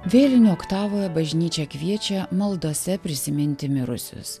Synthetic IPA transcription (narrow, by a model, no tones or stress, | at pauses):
ʋʲeːlʲɪnʲuɔkt̪ɑːʋoːjɛbɐʒʲnʲiːt͡ʃʲɛkʋʲiɛt͡ʃʲɛmɐlˠd̪oːsʲɛpʲɾʲɪsʲɪmʲɪnʲt̪ʲɪmʲɪɾʊ̰sʲʊ̰s